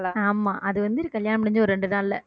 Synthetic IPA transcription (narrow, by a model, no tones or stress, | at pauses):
aaːmaːʔɐðɯʋɐnd̪ɯɪɾkɐljaːnɐmpɪɽɪɲd͡ʒɯɔɾɯɾɛɳɖɯðaːllːɐ